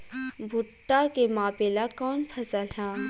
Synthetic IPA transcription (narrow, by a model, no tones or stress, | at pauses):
bʱʊʈːakemãːpeːlakɔːnpʰɐsəlɦɛ̃ː